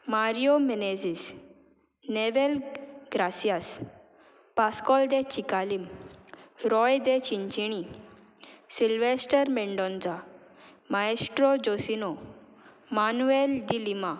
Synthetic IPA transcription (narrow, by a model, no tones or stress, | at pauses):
maɾijomened͡zis | neʋelɡɾasijas | paskɔld̪et͡ɕikalim | ɾɔjd̪et͡ɕiɲt͡ɕiɽ̃i | silʋesʈəɾmeɳɖɔnd͡za | maesʈɾod͡ʑosino | manueld̪ilima